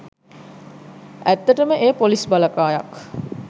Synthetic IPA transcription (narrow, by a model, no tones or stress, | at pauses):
ʔæt̪ːəʈəməʔeːpolisbaləkaːjak